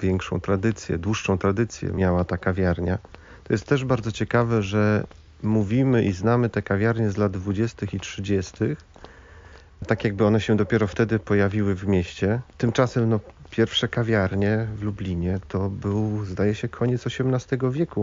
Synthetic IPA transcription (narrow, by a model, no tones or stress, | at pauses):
vʲjɛŋkʂɔ̰̃w̃t̪ɾad̪ɘt̪sʲjɛ̰d̪wuʂːɔ̃w̃t̪ɾad̪ɘt̪sʲjɛ̰mʲjawat̪akavʲjaɾɲa | t̪ɔjɛst̪ːɛʐbaɾd̪zɔt͡ɕɛkavɛʐɛ | muvʲimɘʔiznamɘt̪ɛkavʲjaɾɲɛzlad̪d̪vud͡ʑɛst̪ɘxitʂɘd͡ʑɛst̪ɘx | t̪akʲjaɡ̚bɘɔnɛɕɛd̪ɔpʲjɛɾɔft̪ɛd̪ɘpɔjavʲiwɘvmʲjɛɕt͡ɕɛt̪ɘmt͡ʂasɛmnɔpʲjɛɾfʂɛkavʲjaɾɲɛvlublʲiɲɛt̪ʰɔbɘwzd̪ajɛɕɛkʰɔɲɛt̪sɔɕɛmnast̪ɛɡɔvʲjɛku